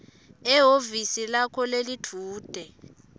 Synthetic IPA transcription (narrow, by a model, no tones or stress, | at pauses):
ɛɦovisilakʰɔlelitʰuːd̥ʱɛ